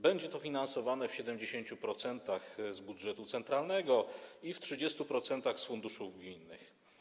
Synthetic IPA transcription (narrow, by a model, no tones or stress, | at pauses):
bɛɲd͡ʑɛt̪ɔfʲinansɔvanɛfɕɛd̪ɛmd͡ʑeɕeɲt͡ɕupɾɔt̪sɛnt̪axzbud̪ʐɛt̪ut̪sɛnt̪ɾalnɛɡɔiftʂɘd͡ʑɛst̪upɾɔt̪sɛnt̪axsfund̪uʂuvɡmʲinːɘ̰x